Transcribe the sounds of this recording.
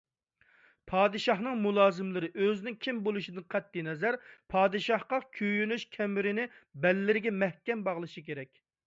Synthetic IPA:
pʰɑːd̪ɨʃɑhnɨŋmulˠɑːzɨmlɪɾɪʔøzɪnɪŋkʲʰimbolˠuʃid̪ɪnqʰɛt̪̚ːinɛzæɾpʰɑːd̪ɨʃɑhqɑkʲʰøjynyʃkʲʰɛmɪɾɪnɪbɛlːɪɾɪɡʲɛmɛhkʲɛmbɑʁlˠɨʃikʲeɾɛkʲ

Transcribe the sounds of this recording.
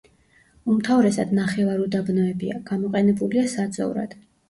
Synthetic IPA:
umt̪ʰavɾɛsad̪naχɛvaɾud̪abnɔɛbia̰ɡ̥amɔqʼɛnɛbuliasad̪zʼɔ̰ṵɾa̰d̪̥

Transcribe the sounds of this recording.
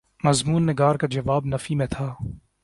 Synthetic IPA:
mɐzmuːnːɪɡaːɾkad͡ʒɐʋaːbnɐfimẽt̪ʰaː

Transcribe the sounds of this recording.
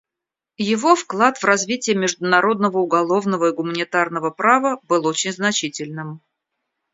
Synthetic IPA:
jɪvo̞fklˠat̪vrɐzvʲitʲɪjəmʲɪʐd̪ʊnɐɾo̞d̪nəvəʊɡɐlˠo̞vnəvəɪɡʊmənʲɪt̪arnəvəpɾavəbɨlˠot͡ɕɪnʲznɐt͡ɕitʲɪlʲnɨm

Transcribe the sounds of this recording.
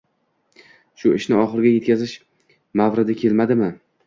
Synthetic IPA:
ʃʊɪʃnɪɒχɨɾɡʲajet̪kʲazɪʃ | mavɾɪd̪ɪkʲʰe̞lmad̪ɪmɪ

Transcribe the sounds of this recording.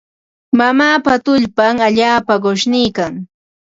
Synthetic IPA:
mamaːpat̪ʊʎpaŋaʎaːpaɢoʃnɪːkaŋ

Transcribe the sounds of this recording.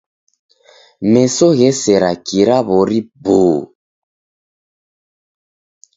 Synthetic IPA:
mɛsɔɣɛsɛɾakiɾaβoɾiboː

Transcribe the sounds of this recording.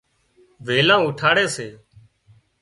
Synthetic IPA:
ʋeːlãːʊʈʰaːɽeːseː

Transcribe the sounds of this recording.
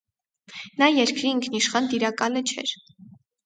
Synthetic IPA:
nɑjɛɾkɾiiŋkʰniʃχɑnd̪iɾɑkɑlət͡ʃʰɛ̰ɾ

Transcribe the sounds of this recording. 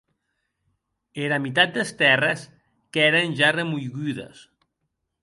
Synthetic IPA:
eɾamit̪at̪̚d̪est̪ɛres | kɛɾenʲʒaremujɣyðḛs

